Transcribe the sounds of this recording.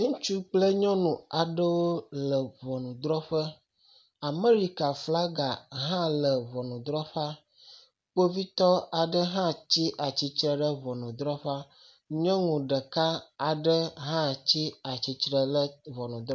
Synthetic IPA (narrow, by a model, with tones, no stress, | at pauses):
ŋũ˦t͡ʃu˦k͡plə˦ɲɔ̃˦nũ˨a˨ɖə˦wo˦lə˨vɔ˨nũ˨d̪ɾɔ˦ɸə˦ | a˨me˦ɾi˨ka˨fla˦ɡa˨ɦã˦lə˨vɔ˨nũ˨d̪ɾɔ˦ɸa˦ | k͡po˦vi˦t̪ɔ˦a˨ɖə˦ɦã˦t͡ɕi˦ʔa˨t͡ɕi˦t͡ʃɾə˦ɖə˦vɔ˨nũ˨d̪ɾɔ˦ɸa˦ | ɲɔ̃˦ŋũ˨ɖə˨ka˦a˨ɖə˦ɦã˦t͡ɕi˦a˨t͡ɕi˨t͡ʃɾə˨lə˦vɔ˨nũ˨d̪ɾɔ˦